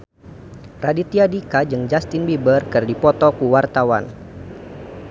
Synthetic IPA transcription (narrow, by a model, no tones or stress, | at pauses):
radit̪iadikad͡ʒɨŋd͡ʒast̪inbibərkɨrdipɔt̪ɔkuwart̪awa̰n